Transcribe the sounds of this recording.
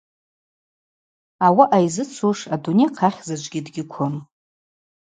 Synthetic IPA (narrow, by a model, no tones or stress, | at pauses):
awaʔajzɨt͡sʷʰuʂadunejqʰaχʲzad͡ʒʷɡʲɪdɡʲɪkʷʰʊn